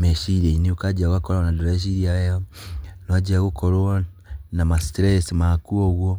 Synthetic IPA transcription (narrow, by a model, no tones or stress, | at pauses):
meʃiɾeiniukad͡ʒaɣakoɾaonaduɾeʃ̬iɾiaejonoad͡ʒaɣokʰoɾwo | namastɾesimakuoɣwo